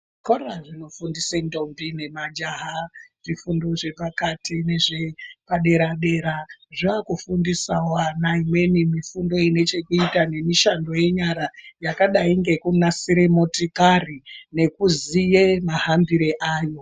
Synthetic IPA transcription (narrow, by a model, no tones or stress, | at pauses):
koraʐino̞fundisendo̞mbine̞mad͡ʒaɦaʐifundo̞ʐe̞pakatine̞ʐe̞paɗe̞ɾaɗe̞ɾaʐakufundisawanaimwe̞nimifundo̞ine̞t͡ʃe̞kuitane̞miʃando̞je̞ɲaɾajakaɗaiŋɡe̞kunasiɾe̞motikarine̞kuzijemaɦambiɾeʔaːjo̞